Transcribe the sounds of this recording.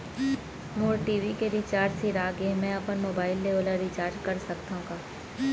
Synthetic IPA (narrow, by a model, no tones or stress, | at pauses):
moːɾʈiːʋikeɾit͡ʃaːɾd͡ʒsiɾaːɡemɛ̃ɐpənmoːbaːɪlːeoːləɾit͡ʃaːɾd͡ʒkɐɾsɐkt̪aɦũːɡaː